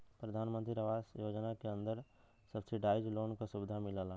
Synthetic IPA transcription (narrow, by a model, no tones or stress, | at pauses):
pɾɐd̪ʱaːnmə̃nt̪ɾiɾəʋaːsjoːd͡ʒnakeɐ̃nd̪əɾ | sɐbseɖaːɪd͡ʒloːnkasʊbɪd̪ʱamɪlalaː